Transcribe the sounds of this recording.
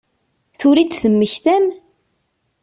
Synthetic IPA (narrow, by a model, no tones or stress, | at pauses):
θʊɾit͡s̪θəmːəçθæm